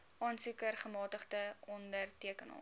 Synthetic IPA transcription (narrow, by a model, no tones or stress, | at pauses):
ʔɑːnsukərχəmɑːtəχdəɔndərtiəkənɑ̰ː